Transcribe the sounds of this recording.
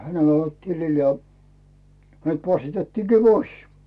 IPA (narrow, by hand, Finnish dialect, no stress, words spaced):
hænel olʲ olt tilil jɑ hænet pɑsːitetːiːkiː pois